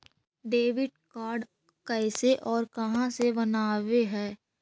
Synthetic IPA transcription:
ɖeːʋɪɖkaːɾɖ | kɛɪseʔɔːɾkɐɦãsebɐnaːʋeɦɛː

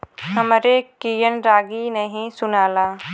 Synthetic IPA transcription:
ɦɐmɾekiːjənɾaːɡinəɦĩsʊnaːlaː

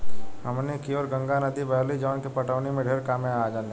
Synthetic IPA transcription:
ɦəmnekiɔːɾɡə̃ŋɡanəd̪ibɛɦlid͡ʒɔːnkipɐʈəːnimẽɖʱeːɾkaːmẽaːd͡ʒãːn

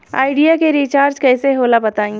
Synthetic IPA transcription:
a̰ːɪɖijakeɾiːt͡ʃaːɾd͡ʒkɛːseɦoːlabɐt̪aːĩ

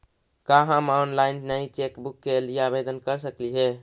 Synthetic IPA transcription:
kaɦãmanlainnəit͡ʃekbukːelijabed̪ənkəɾsəkliɦɛ

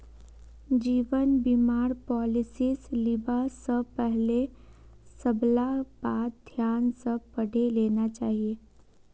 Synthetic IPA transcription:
d͡ʒiːʋənbimaːɾpɔːlɪsislɪbasəpɛɦle | səblabaːt̪̚d̪ʱjaːnsəpəɽ̤ʱeleːnat͡ʃaːɦie

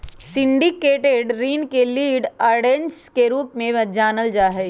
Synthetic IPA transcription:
sɪ̃ɳɖikeːʈeɖɾiːnkeliːɖaːɾɖẽnskeɾuːpmẽd͡ʒaːnəld͡ʒaːɦɛː

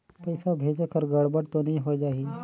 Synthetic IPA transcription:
pəjsabʱed͡ʒəkəɾɡəɽbəɽt̪oniɦod͡ʒaːɦi

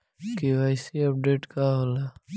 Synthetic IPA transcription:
kiwajsiɐp̚ɖeːʈkaɦola

